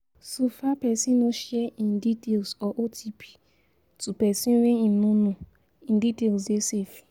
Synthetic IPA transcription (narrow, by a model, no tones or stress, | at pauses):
sufapɛsĩnoʃiɛĩnditelsɔʔotʰipʰi̥ | tupɛsĩnweĩnũnũ | ĩnditels̬desefi̥